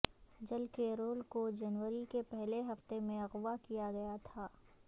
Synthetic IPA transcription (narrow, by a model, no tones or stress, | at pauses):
d͡ʒɐlkeɾoːlkod͡ʒɐnʋəɾikepɛɦleɦɐft̪emẽɐɣʋakijaɡɐjat̪ʰaː